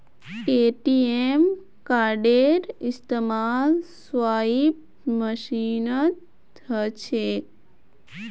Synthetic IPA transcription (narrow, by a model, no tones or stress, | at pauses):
keːʈiem | kaːɾɖeɾist̪emaːlsʋaːib̚ | məʃiːnət̪ | ət͡ʃʰe